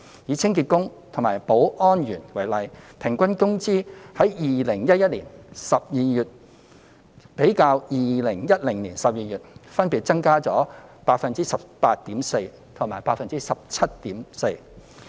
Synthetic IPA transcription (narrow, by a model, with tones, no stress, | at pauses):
jiː˨˧˥t͡sʰɪ˥ŋkiː˧t̚kʊ˥ŋt̪ʰʊ˨˩ŋmaː˨˩jpo˨˥wʔɔː˥njyː˨˩nwɐ˨˩jlɐ˨˧jpʰɪ˨˩ŋkʷɐ˥nkʊ˥ŋt͡siː˥hɐ˨˥jjiː˨˧lɪ˨˩ŋjɐ˥t̚jɐ˥t̚liː˨˩nsɐ˨p̚jiː˧jyː˨t̚ | pe˨˥jkaː˧wjiː˨˧lɪ˨˩ŋjɐ˥t̚lɪ˨˩ŋliː˨˩nsɐ˨p̚jiː˨˧jyː˨t̚fɐ˥npiː˨˧t̚t͡sɐ˥ŋkaː˥t͡sɔː˨˥paː˧k̚fɐ˨nt͡siː˥sɐ˨˩ppːaː˧t̚t̪iː˨˥mse˧j | t̪ʰʊ˨˩ŋmaː˨˩paː˧k̚fɐ˨nt͡siː˥sɐ˨p̚t͡sʰɐ˥t̚t̪iː˨˥mse˧j